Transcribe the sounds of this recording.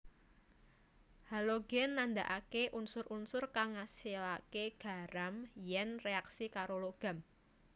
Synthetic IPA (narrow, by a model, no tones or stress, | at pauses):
haloɡɛnːand̪aʔakeʔunsʊɾunsʊrkaŋasilakeɡ̥a̤ɾamjɛnreaksikaɾoloɡ̥a̤m